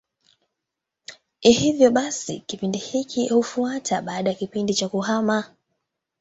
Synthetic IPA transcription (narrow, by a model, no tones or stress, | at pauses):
ihivjɔɓasḭkipindihikʰihufuatʰaɓaːɗajakipindit͡ʃakuhama